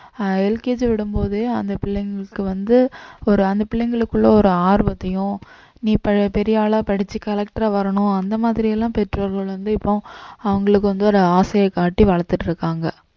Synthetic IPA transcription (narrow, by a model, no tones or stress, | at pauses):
ɛlkeːd͡ʒʋɪɽɯmboːðɯɐnd̪ɐpɪɭːɛŋɡɐɭɯkːɯʋɐnd̪ɯɔɾɯɐnd̪ɐpɪɭːɐŋɡɐɭɯkːɯɭːɐɔɾɯaːɾbɐt̪ːɐjʊ̃ | niːpɐpɛɾɪjaːɭaːpɐɽɪt͡ʃːikɐlɛk̚ʈɾaːʋɐɾɐɳʊ̃ɐnd̪ɐmaːðɪɾɪjɛlːãːpɛʈrɾʋɐɾɣɐɭʋɐnd̪ɯɪpːõɐʋɐŋɡɐɭɯk̬ːɯʋɐnd̪ɯɔɾɐaːsɐjɐkːaːʈːiʋɐɭɐt̪ːɯʈːɪɾɯkːaːŋɡɐ